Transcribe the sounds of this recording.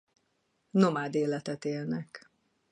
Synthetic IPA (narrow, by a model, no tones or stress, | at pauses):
nomaːd̪eːlɛt̪ɛt̪eːlnɛk